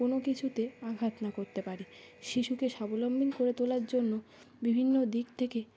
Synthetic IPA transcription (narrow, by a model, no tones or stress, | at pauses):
onokit͡ɕʰut̪eaɡʱat̪nakoɾt̪epaɾi | ʃiʃukeʃabolombʱinkoɾet̪olaɾd͡ʑonːo | bibʱinːod̪ikt̪ʰeke